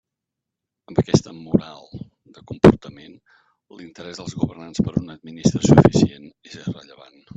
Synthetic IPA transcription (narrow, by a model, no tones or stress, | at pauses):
əmbəkɛst̪əmuɾalˠ | d̪əkumpuɾt̪əmen | lint̪əɾɛzðəlˠzɣuβərnanspəɾunəd̪minist̪ɾəsufisienezrəʎəβa̰n